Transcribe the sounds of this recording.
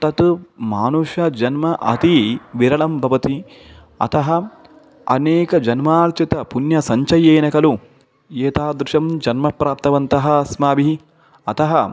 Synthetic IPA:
t̪ɐt̪umaːnuʃɐd͡ʒɐnmɐʔɐ̰t̪iʋiɾɐɭɐmbʱɐʋɐt̪i | ɐ̰t̪ɐɦɐ | ɐ̰neːkɐd͡ʒɐnmaːɾt͡ʃit̪ɐpunjɐsɐɲt͡ʃɐjeːnɐkɐlu | jeːt̪aːd̪ɾuʃɐmd͡ʒɐnmɐpɾaːp̚t̪ɐʋɐnt̪ɐɦɐsmaːbi | ɐt̪ɐɦɐ

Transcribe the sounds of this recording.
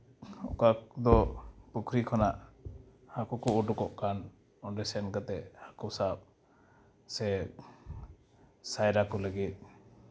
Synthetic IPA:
ɔ̰kad̪ɔpukʰɾikʰɔnaʔ | hakɔkɔuɖukɔʔkan | ɔnɖɛsɛnkat̪ɛʔhakɔsap̚ | sɛ | sajɾakɔləɡit̪̚ˀ

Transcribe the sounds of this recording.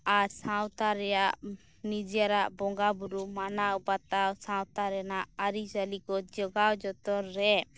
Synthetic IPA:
aɾsawt̪aɾɛjaʔ | nid͡ʒijaɾaʔbɔŋɡabuɾumanaubat̪awsãwt̪aɾɛnaʔaɾid͡ʒalikɔd͡ʒɔɡawd͡ʒɔt̪ɔɾːɛ

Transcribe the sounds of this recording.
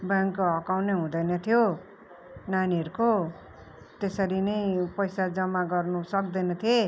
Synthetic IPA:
bʌŋkoɦʌkawneɦũd̪ʌjnʌt̪ʰijo | naniʌɾuko | t̪esʌɾinʌjpʌjsad͡zʌmːaɡʌrnusʌk̚d̪ʌjnʌt̪ʰie

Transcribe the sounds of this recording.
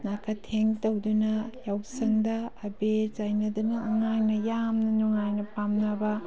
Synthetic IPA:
nakʰɐtʰeŋtɐwdunɐjawsɐŋdɐːbezajnɐdunɐːŋaŋnɐjamnɐnuŋajnɐpamnɐbɐ

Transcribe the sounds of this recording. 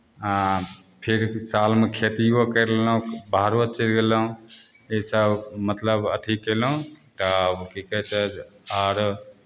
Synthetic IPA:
ã | pʰeɾsalmekʰet̪iokəɾlelũbʱaɾʋət̪t͡ʃəlɡeləũ | esəbmət̪ləbə̰t̪ʰikelũt̪əbkikɛt͡ʃad͡ʒaɾ

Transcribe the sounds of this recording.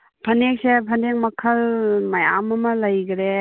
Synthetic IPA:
pʰɐnek̚sepʰɐndeŋ̚mɐkʰɐlmɐja̰mɐmɐlɐjɡɾe

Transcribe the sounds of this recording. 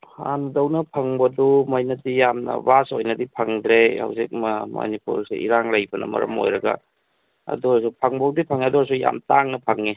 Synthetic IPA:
ha̰ndɐwnɐpʰɐŋbɐdumɐjnɐdijamnɐ̰basojnɐdipʰɐŋdɾeha̰wzik̚mmo̰nipṵɾsḛḭɾaŋlajbɐnɐ̰mɐ̰ɾɐ̰mo̰jɾɐɡa̰ | ɐ̰duasupʰaŋbawdipʰaŋiɐduasuja̰mtaŋnɐpʰɐŋi

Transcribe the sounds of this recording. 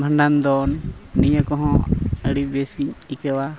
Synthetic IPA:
bʱaɳɖand̪ɔnːijakɔɦɔ̃əɽibesiikɛwa

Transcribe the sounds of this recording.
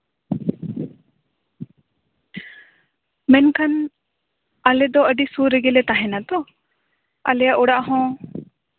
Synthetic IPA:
mɛnkʰan | əlɛd̪ɔəɖisuɾɛɡɛlɛt̪aɦɛnat̪ɔ | ə̰lɛjaʔuɽaʔɦɔ̃

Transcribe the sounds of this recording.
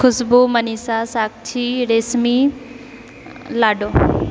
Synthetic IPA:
kʰʊsbomɐniːsasaːk̚t͡ʃʰiɾesmi | laːɖo

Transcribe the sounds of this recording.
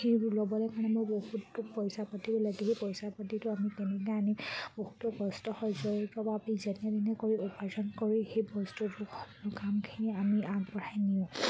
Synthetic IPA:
eulɔbɔlɛkaɹnɛmojbohutːupɔjsapatibɔlaiɦepɔjsapatitʊamikɛnɛkɛanibohutɔbɔstɔhɔjzɔpɹɔbʱabizɛnɛdinɛkoɹiupazɔnkɔɹixejbɔstɔtʊxɔkɔlɔkamkʰiniamiʔampɔɹʰajnijʊ̃

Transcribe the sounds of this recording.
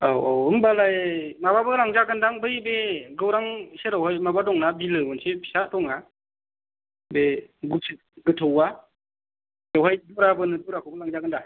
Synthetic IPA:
awawɯmbalajmababɯlaŋzaɡɯndaŋbɯjbeɡɯwɾaŋseɾawɦajmabadɔŋnabilɯbɔnsepʰi̥satɔŋna | beɡusʰɯ | ɡɯtʰɯwa | ɾawɦajdɔɾabɯnɯduɾakʰowbɯlaŋzaɡɯnda

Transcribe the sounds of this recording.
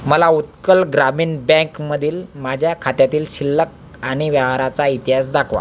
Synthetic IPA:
məlaut̪kəlɡɾamiːnbɛ̃kməd̪ʱiːlmad͡ʑʱjakʰat̪jat̪iːlɕilːək̚ | aɽ̃iʋjəʋ̤aɾat͡sait̪iɦasd̪akʰʋa̰

